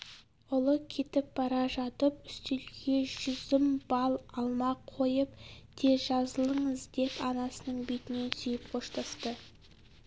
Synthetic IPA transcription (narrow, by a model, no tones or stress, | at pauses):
ʊlˠəkʲʰe̞t̪ɪp̚b̥ɑɾɑʒɑt̪əpʏst̪elɡʲe̞ʒʏzɪmbɑlˠɑlˠmɑqʰo̞jəp̚d̪̥ʰe̞ʒɑzəlˠəɴəzd̪e̞pɑnɑsənəɴbet̪ɪne̞nsʏjɪp̚qʰoʃt̪ɑst̪ə